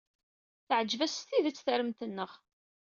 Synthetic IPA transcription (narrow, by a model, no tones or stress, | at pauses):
θəʕəd͡ʒːvæst̪iðət͡sːθəɾəmt̪ənːəʁ